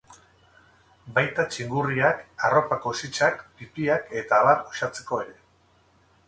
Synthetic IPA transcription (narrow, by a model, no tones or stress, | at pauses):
bajt̪at͡ʃiŋɡuriakaro̞pako̞sit͡ʃakpipiake̞t̪aːβat̪oʃat͡se̞ko̞e̞ɾe̞